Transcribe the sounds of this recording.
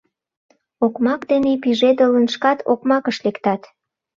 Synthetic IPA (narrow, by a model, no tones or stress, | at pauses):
okmɑkd̪enepiʒed̪ələnʃkɑt̪ʰokmɑkəʃlekt̪ɑt̪